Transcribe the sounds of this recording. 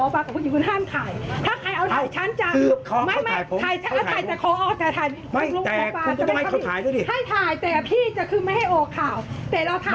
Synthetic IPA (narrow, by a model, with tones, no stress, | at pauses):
ɔː˨˦paː˧ka˨˩kʰu˧jiː˨˧˩kʰu˧nɦaː˥˩˨mt̪ʰaː˨˩jt̪ʰaː˥˩kʰa˧jʔa˧wt̪ʰaː˧˨˦jt͡ɕʰa˦˥nt͡ɕa˧˩ɯ˧˩p̚kʰɔ˧˦ma˥˩˧maː˥˨˦jʰo˨˦a˧˩jʰa˦˥˧a˧˩aː˨˩ɛː˨˩kʰɔː˨˦ʔɔː˨˧˩k̚t̪ɛː˨˩t̪ʰaː˨˩jma˧˥˧lu˧t̪ɛː˨˧paː˧u˧na˧˨˧tɔ˥˦˧hkʰːt̪ʰaː˨˦jdu˥˩jdi˧˩ha˥˩jt̪ʰaː˨˩jt̪ɛː˨˩pʰiː˥˩t͡ɕa˨˩kʰɯː˧ma˥˩jha˥˩jʔoː˧˩kʰːaː˨˩wt̪ɛː˨˩la˧t̪ʰa˧˥